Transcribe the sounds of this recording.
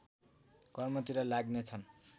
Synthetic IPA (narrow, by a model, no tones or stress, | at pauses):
kʌrmʌt̪iɾʌlaɡnet͡sʰʌn